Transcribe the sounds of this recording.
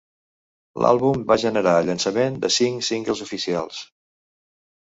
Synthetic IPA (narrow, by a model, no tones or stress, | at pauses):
lʔa̰lˠβumbaʒənəɾaəʎənsəmend̪ə̰siŋsiŋkəlˠzufisia̰lˠs